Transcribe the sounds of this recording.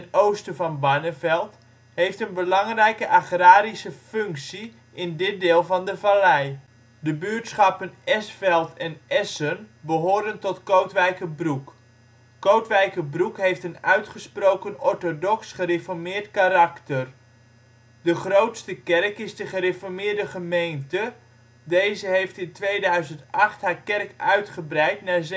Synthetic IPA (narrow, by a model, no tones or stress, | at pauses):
towstəvɑnbanəvɛlˠt | hejftənbəlɑŋrɛjkəʔaχraːɾisəfɵŋksi | ʔɪndɪt̚dɪːlˠvɑndəvalɛj | dəbyːɹtsχɑpənɛsfɛlˠtʰɛnʔɛsənbəɦoːɾəntɔtkowtʋɛjkəbruk | kowtʋɛjkəbrukɦejftənœɥtχəsprowkənɔɹtodɔksχərefɔɹmɪːrtkaɾɑktər | dəχrowtstəkɛrkɪzdəχərefɔɹmɪːɹdəχəmejntə | dejzəɦejftɪntʋejdœɥzəntɑχtɦhaːɹkɛrkœɥtχəbrɛjtnaɹz